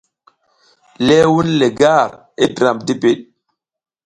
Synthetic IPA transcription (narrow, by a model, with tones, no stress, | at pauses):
lɛ˦wu˦nle˨ɡa˦˨ɾ | e˦dɾa˨m̚di˦pe˨ɗ̚